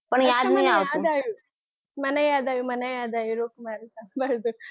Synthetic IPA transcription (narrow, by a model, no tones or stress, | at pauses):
pɐɳjaːɾmijaʋaːd̪aːju | mɐnɐjaːd̪aːjumɐnɐjaːd̪aːjuɾoːkumaːɾisambaɾd̪u